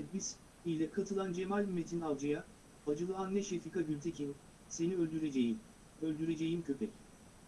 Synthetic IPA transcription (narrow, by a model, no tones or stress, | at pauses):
bis | ijlʲɛkʰat̪ʰɯlˠand͡ʒe̞malʲmet̪ʰinavˠd͡ʒɯja | had͡ʒɯlˠɯanːɛʃefikʰaɟylʲt̪ʰecʰin | se̞niølʲd̪yɾed͡ʒejim | ølʲd̪yɾe̞d͡ʒe̞jimcʰø̞pʰɛc